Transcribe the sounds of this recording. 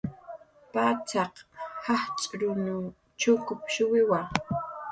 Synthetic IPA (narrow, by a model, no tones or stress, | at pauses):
paːt͡ʃɑqhɑht͡ʃʼɾʊnʊ | t͡ʃʊkʊpʃʊwɪwa